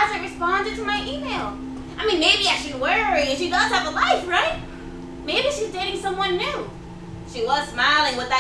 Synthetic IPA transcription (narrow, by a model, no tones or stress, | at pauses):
zɨ̃ɹɨspɑ̃ndɨd̚tʰɨmaɪʔimeɪlˠ | aɪmĩnmeɪbiɨ̥ʃiwɜ˞iɨ̃nʃidʌz̥ɨvəlaɪfɹaɪt̚ | meɪbiʃizdɛɾɪ̃ŋsʌ̃mwʌ̃nːʉ | ʃiwʌz̥smaɪlˠɪ̃ŋwəðɨ